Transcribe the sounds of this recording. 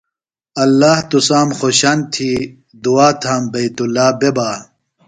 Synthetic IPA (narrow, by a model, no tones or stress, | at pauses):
ɐlːaːht̪usaːmxoɕant̪ʰi | d̪uaːt̪ʰaːmbɐjt̪ulːaːbebaː